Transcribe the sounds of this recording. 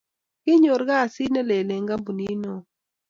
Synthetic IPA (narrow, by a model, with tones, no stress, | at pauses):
kɪ˦ɲo˨ɾɡa˦˨sɪ˦na˦le˨lɛ˨ŋɡa˦bu˨ni˦no˦